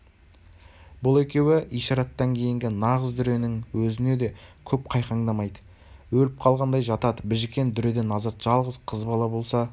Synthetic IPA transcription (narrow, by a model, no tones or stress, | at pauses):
bʊlˠe̞kʲe̞wɪʔijʃɑɾɑt̪ːɑŋkʲʰe̞jɪŋɡʲɪnɑʁəzd̪ʏɾe̞nɪŋwɵzɪne̞d̪e̞kʲʰɵp̚qʰɑjqɑŋd̪ɑmɑjd̪ə | wɵlɪp̚qʰɑlˠʁɑnd̪ɑjʒɑt̪ɑd̪əbɪʒɪkʲe̞nd̪ʏɾed̪e̞nɑzɑt̪ʒ̥ɑlˠʁəzqʰəzbɑlˠɑbo̞lˠsɑ